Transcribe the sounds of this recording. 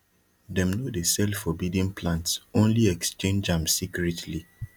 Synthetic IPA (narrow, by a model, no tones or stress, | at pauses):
dɛ̃mnodesɛlfɔbidĩnpʰlãntsõnliɛkst͡ʃẽnd͡ʒãmsikɹɛtʰli